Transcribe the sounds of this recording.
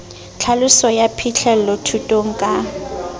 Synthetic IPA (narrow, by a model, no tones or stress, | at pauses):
t͡ɬʰalʊsɔjapʰit͡ɬʰɛlɔtʰutʼoŋ̩kʼa